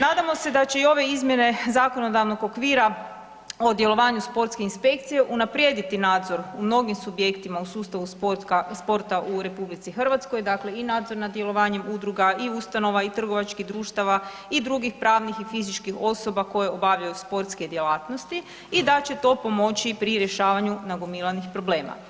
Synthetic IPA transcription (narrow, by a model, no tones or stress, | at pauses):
naːd̪amo̞se̞d̪at͡ɕe̞io̞ʋe̞izmje̞ne̞zaːko̞no̞d̪aʋnoɡokʋiːɾa | o̞d̪je̞lˠo̞ʋaːɲuspo̞ɾt̪skeinspe̞k̚t̪sije̞ʔunapɾje̞d̪it̪inaːd̪zo̞ɾumno̞ɡimsubje̞kt̪imausuːst̪aʋuaspo̞ɾt̪aʔuɾe̞publit̪sixr̩ʋat̪skojd̪akle̞inaːd̪zo̞ɾnad̪je̞lo̞ʋaːɲe̞mud̪ɾuɡaʔiust̪ano̞ʋait̪r̩ɡo̞ʋat͡ʃkiɦd̪ɾuːʃt̪aʋa | id̪ɾuɡixpɾaːʋnixifizit͡ʃkixo̞so̞bako̞je̞o̞baʋʎajuspo̞ɾt̪ske̞d̪je̞laːt̪nost̪i | id̪at͡ɕe̞t̪o̞po̞mo̞t͡ʃipɾiɾjeʃaːʋaɲunaɡomilˠanixpɾo̞bleːma̰